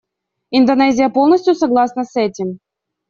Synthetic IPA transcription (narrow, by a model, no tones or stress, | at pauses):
ɪnd̪ɐnɛzʲɪjəpo̞lˠnəsʲt̪ʲjusɐɡlˠasnəsɛtʲɪm